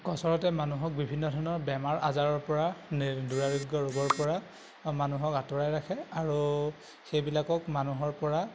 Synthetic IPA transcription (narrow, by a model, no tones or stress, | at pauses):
kɔsɔɹɔtɛmanuɦɔk̚bibʱinːɔdʱɔɹnɔɹbɛmaɹʔazaɹɔɹpɔɹanduɹaɹiɡɔɹuɡɔɹpɔɹa | manuɦɔkatɔɹajɹakʰɛaɹu | xejbilakɔkmanuɦɔɹpɔɹa